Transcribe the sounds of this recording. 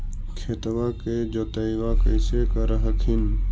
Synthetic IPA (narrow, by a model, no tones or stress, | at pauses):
kʰet̪waked͡ʒoːt̪əiʋakəɪsekəɾəɦəkʰin